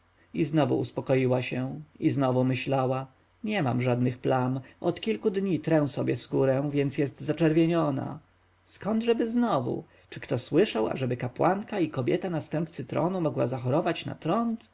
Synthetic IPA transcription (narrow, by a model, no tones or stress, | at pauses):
iznɔvṵṵspɔkɔjiwaɕɛiznɔvumɘɕlawa | ɲɛma̰mʐad̪nɘxplanʔɔt̪kʲilkud̪ɲit̪ɾɛw̃sɔbʲjɛskuɾɛ̃vʲjɛnt̪sjɛst̪zat͡ʂɛɾvʲjeɲɔna̰ | skɔnd̪ʐɛbɘznɔvṵ | t͡ʂɘkt̪ɔswɘʂawa̰ʐɛbɘkapwaŋkaikɔbʲjɛt̪anast̪ɛmp̚t̪sɘt̪ɾɔ̰numɔɡwa̰zaxɔɾɔvat͡ɕna̰t̪ɾɔnt̪